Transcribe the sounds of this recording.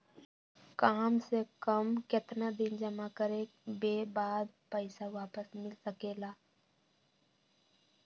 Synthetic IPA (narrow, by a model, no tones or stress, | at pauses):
kaːmsekəmket̪nad̪ɪnd͡ʒɐmakəɾeː | beːbaːd̪pəɪsaʋaːpəsmɪlsəkeːlaː